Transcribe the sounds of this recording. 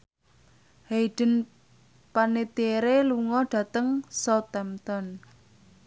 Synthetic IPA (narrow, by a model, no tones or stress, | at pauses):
heiɖ̥ə̤n | panet̪eɾeluŋɔɖ̥ä̤t̪əŋsɔt̪ɛmt̪ɔn